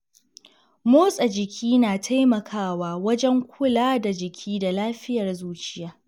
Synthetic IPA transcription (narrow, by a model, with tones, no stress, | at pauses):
moː˦sʼɐ˨d͡ʒɪ˨kʲʰiː˦naː˨tʰa˦jmɐ˨kʰaː˦waː˦˨wɐ˦d͡ʒɛ˦ŋkʷʊ˦laː˦da˨d͡ʒɪ˨kʲʰiː˦da˨laː˦ɸɪ˦jɐ˨rzuː˦t͡ʃɪ˦jaː˦